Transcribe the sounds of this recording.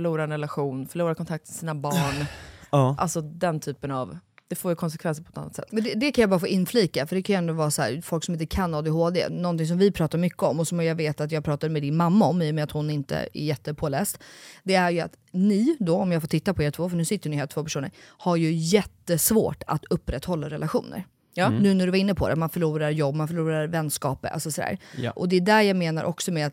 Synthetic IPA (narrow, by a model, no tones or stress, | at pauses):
fœɭuːɾaɛnɾɛlaɧuːnfœɭuːɾaɾkʰɔnt̪ʰakt̪mɛsiːnabɑːɳ | ʔa̰lsɔd̪ɛnt̪ʰyːpəna̰vd̪̥ɛfoːjəkʰɔnsɛkvɛnsəɾpɔɛt̪ʰa̰nːat̪sɛ̰t̪ːmɛnd̪ɛd̪ɛkʰanjabɑːɾafoːʔɪnːfliːkafœɖɛkʰanjɛnd̪ʊvɑːɾasɔhæ̰ːɾfɔlksɔmɪnt̪əkʰanːoːd̪eɦoːd̪ḛnɔnt̪ɪŋs̬ɔmvɪpʰɾɑːt̪aɾmʏkːəɔmːɔsɔmjɑɡveːt̪at̪jɑːɡpɾɑːt̪aɾmɛd̪ɪnmamːaɔmːiːjɔmɛːɾat̪hʊnɪnt̪ə̰ɛ̰jɛt̪ːəpʰoːlɛ̰ːst̪d̪ɛæɾjɵa̰t̪nɪd̪ɔɔmjɑːɡfoːʈʰɪt̪ːapʰɔeːɾt̪ʰv̥oːfœɳʉ̟ːsɪt̪ːəɳɪhelt̪voːpæʂuːnə̰ɾhaɾjɵjɛt̪ːəsvo̰ːʈa̰t̪ɵpːɾɛt̪ːhɔlːaɾɛlaɧṵːnə̰ɾ | nʉ̟ːnæɖɵvaɾɪnːəpʰɔd̪ɛ̰t̪manfœɭuːɾaɾjɔbːmanfœɭuːɾaɾvɛnskɑ̰ːpa̰lsɔsɔd̪æ̰ːɾʔɔd̪ɛd̪æɾjaɡmeːna̰ɾʔɔksɔmeːat̪